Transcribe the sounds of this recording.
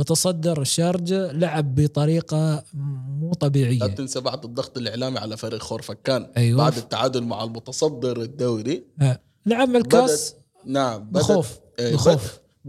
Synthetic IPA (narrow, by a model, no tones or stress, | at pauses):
mʊt̪ɑsˤɑd̪ːɪɾʃːɑːɾˤd͡ʒalaʕɪbːɪt̪ˤɑɾiːqɑ | muːt̪ˤɑbiːʕɪjːaat̪ːɪnsabaʕd̪ɨd̪ˤːɑɣt̪ˤɪlɪʕlaːmiʕalafaɾxoːɾˤfakːaːnʔajwa̰ʕd̪ɪt̪ːaʕaːd̪ʊlma̰ʕalmʊt̪ɑsˤɑd̪ːɪɾɪd̪ːaːɾiʔa | laʕabːalbaːs | naʕambaxoːf | ɪxoːf